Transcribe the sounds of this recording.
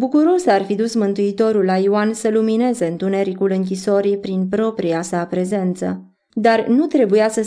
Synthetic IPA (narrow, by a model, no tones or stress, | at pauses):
bukuɾo̞sarfid̪usmɨnt̪uit̪o̞ɾulːajuansəlumine̞ze̞ɨnt̪une̞ɾikulɨŋk̬ʲiso̞ɾipɾinpɾo̞pɾijasapɾe̞ze̞nt̪sə̰ | d̪arnut̪ɾe̞bujasə